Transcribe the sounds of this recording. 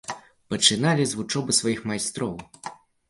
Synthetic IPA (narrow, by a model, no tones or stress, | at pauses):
pɐt͡ʂɨnalʲizvut͡ʂɔbɨsvɔjixmajst̪ɾɔw